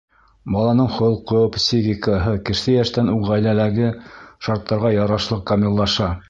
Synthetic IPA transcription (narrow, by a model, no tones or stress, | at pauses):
bɑlˠɑnɤɴχŏlˠqopsʲiɣʲikəɦɤkɘ̆ʃsɘjæʃt̪ænuɴʁæjlælæɡɘʃɑɾt̪ʰːɑɾʁɑjɑɾɑʃlˠɤq̚kɐmʲilˠːɑʃɑ